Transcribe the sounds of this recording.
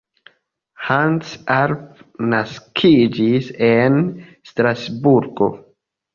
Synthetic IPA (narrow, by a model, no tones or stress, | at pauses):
hansaɾpnaskʰid͡ʒisenstɾasbuɾɡo̞̰